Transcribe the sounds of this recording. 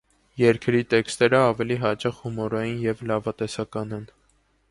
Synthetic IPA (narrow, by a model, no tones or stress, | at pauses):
jɛɾkʰɾit̪ɛkst̪ɛɾəɑvɛliɦɑt͡ʃɑχhumɔɾɑjinjɛvlɑvɑt̪ɛsɑkɑnɛn